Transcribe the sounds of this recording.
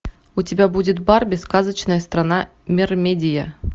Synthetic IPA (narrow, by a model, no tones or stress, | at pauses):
utʲɪbʲabudʲɪt̪bɑrbʲɪskazət͡ɕnəjəst̪ranɑ | mʲermʲedʲɪja